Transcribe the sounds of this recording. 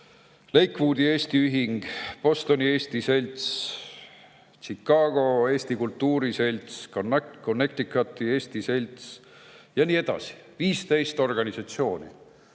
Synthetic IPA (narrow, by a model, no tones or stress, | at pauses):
le̞jkːˑvuːd̪ie̞ːst̪iyɦiŋɡ̥po̞st̪o̞nie̞ːst̪ise̞lʲt̪s | t͡ʃikːɑːɡ̥o̞e̞ːst̪ikult̪ːuːɾise̞lʲt̪skonkonːe̞k̚t̪ikˑːɑt̪ːie̞ːst̪ise̞lʲt̪s | jɑniːe̞d̪̥ɑ̰si̥viːst̪e̞jst̪o̞rɡ̥ɑnisɑt̪sio̞ːnḭ